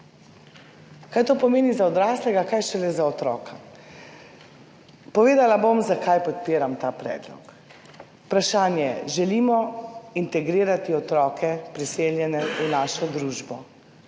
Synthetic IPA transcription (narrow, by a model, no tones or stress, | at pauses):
kajt̪oːpɔmeːnizaɔd̪ɾaːslɛɡakajʃɛlɛzaɔt̪ɾɔːkʰa | pɔʋeːd̪alabomzakʰajpɔt̪̚piːɾamt̪aːpɾɛ̰ːd̪lɔ̰k | pɾaʃaːnjɛɛʒɛlimɔint̪ɛɡɾiːɾat̪iɔt̪ɾɔːkʰɛpɾiseːljɛnɛunaːʃɔd̪ɾuːʒbɔ